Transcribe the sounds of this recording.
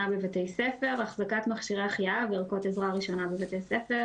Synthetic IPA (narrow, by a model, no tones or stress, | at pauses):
abevatejsefe̞ʁaχzakatmaχʃiʁeaχjaaviʁko̞tezʁaʁiʃo̞nabevatejsefe